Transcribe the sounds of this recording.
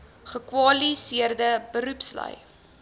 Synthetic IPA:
χəkwɑlisiərdəbəɾʉpslə̰j

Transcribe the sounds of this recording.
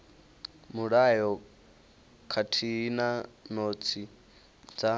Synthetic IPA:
muɺajɔ | kʰatʰinanot͡sʰi | d͡za

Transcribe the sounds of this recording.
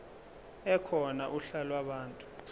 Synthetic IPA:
ɛkʰɔnaʔuɬalwaɓaːntʼu̥

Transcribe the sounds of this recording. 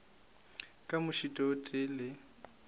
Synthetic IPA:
kʼamʊʃitʼɔtʼɪlɪ

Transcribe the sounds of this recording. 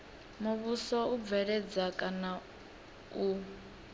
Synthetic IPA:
muβusɔub̪vɛɺɛd͡zakʼana | u

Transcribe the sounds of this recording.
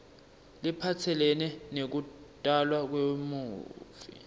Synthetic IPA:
lipʰatʰɛlɛnɛnek̬utʼalwak̬wemuːvḭ

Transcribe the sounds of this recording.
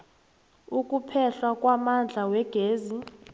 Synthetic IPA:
ukʼupʰɛɬwakʼwamand͡ɮʱawɛɡ̥ʱeːzi

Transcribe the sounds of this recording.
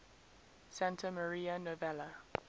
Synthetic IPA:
sãntʰəməɹiːənovɛlə

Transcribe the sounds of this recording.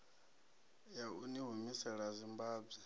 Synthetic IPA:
jauniɦumisɛɺazimbaːbɛ

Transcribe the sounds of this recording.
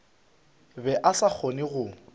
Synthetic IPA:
bɛʔasak͡xʰonɪɣʊ

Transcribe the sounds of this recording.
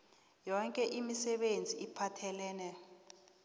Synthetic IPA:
jɔŋkʼɛʔimisɛɓend͡zʱiʔipʰatʰɛlɛːnɛ

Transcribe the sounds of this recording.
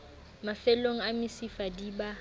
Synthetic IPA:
mafɛloŋ̩amɪsifadiba

